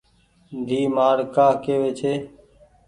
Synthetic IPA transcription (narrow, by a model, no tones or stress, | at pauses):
d̪ʱiːmaːɽkaːkeːʋeːt͡ʃʰeː